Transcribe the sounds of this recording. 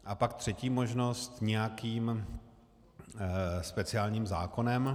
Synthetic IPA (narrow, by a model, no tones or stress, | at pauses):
ʔapakt̪r̝̥ɛciːmo̞ʒno̞st̪ɲɛjakiːm | spɛt͡sɪaːlɲiːmza̰ːko̞nɛm